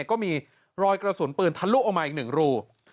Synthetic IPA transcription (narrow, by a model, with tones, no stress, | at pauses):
kɔː˥˩miː˧ | ɾɔː˧jkɾa˧su˨˩˦npɯː˧nt̪ʰa˧nluː˥˩ʔɔ˨˧ŋmaː˧ʔi˨˩nɯ˨˩ŋɾuː˥˧˩